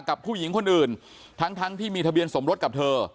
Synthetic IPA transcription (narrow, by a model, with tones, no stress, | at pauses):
ka˨˩pʰːuː˥˩ji˩˦ŋkʰo˧nʔɯː˨˩n | t̪ʰa˦˥ŋt̪ʰa˦˥ŋt̪ʰiː˥˩miː˧t̪ʰa˧bi˧ənso˩˦mɾo˦˥t̪̚ka˨˩p̚t̪ʰɤː˧